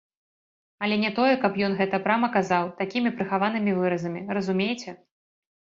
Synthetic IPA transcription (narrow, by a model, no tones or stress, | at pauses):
ɐlʲɛnʲɛt̪ɔjɛkɐpjɔnɣɛt̪ɐpɾamɐkazawt̪akʲimʲipɾɨxavan̪ɨmʲivɨɾɐzɐmʲirɐzumʲejt͡sʲɛ